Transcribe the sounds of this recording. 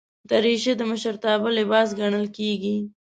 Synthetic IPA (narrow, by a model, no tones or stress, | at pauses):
d̪aɾiʃed̪əməʃəɾt̪ɑbəlɪbɑsɡaɳ̃əlkeɡi